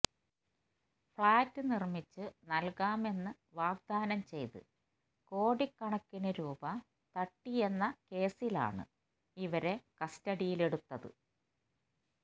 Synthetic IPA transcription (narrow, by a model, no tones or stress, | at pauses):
fɭaːtːɨnirmit͡ɕːɨnɐlkaːme̞nːɨ | ʋaːɡ̚d̪aːnɐmt͡ɕe̞jt̪ɨ̰ | ko̞ːɽikːɐɳɐkːinɐɾuːbɐ | t̪ɐʈːije̞nːɐke̞ːsila̰ːɳɨ̰ | iʋɐɾe̞kɐstɐɽijile̞ɽut̪ːɐðɨ̰